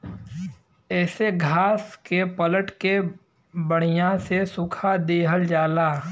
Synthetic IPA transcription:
ɛːseɡʱaːskepələʈke | bəɽ̤̃ijãsesʊkʰad̪eːɦəld͡ʒaːlaː

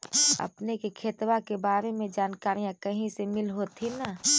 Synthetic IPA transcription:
ɐ̰pnekekʰeːt̪wakebaːɾemẽd͡ʒaːnkaːɾijãkɐɦĩsemɪlɦoːt̪ʰina

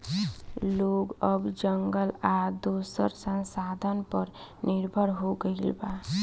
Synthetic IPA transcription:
loːɡəbd͡ʒəŋɡəlad̪uːsə̰ɾsə̃nsaːd̪ʱənpəɾnɪɾbʱəɾɦoɡəɪlba

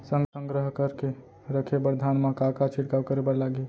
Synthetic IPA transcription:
səŋsəŋɡɾəɦkəɾke | ɾəkʰebəɾd̪ʱanmakakat͡ʃʰiʈkawkəɾebəɾlaɡe

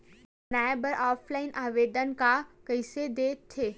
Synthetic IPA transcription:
naːjbəɾaːpʰlaːɪnʔaːʋeːd̪ənkakəɪsed̪eːt̪ʰːeː

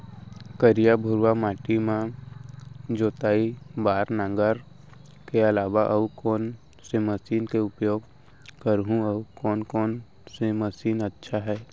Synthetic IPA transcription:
kəɾijabʱʊɾwamaːʈimã | d͡ʒoːt̪aːibaːɾnãŋɡəɾ | keɐlaːʋaʔəukɔːn | seməsiːnkeʊpjoːɡ | kəɾɦũɔkɔːnkɔːn | seməsiːnətːʃʰaɦɛː

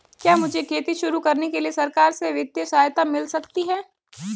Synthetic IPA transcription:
kjaːmʊd͡ʒʱekʰeːt̪iʃʊɾukɐɾnekeliesɐɾkaːɾseʋɪd̪jəʃaːjt̪amɪlsɐkt̪iɦɛː

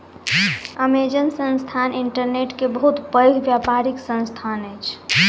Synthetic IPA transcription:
əmed͡ʒənsə̃nst̪ʰaniɳʈəɾneʈkebəɦut̪pəjɡbjapaɾiksə̃nst̪ʰanəjt͡ʃʰ

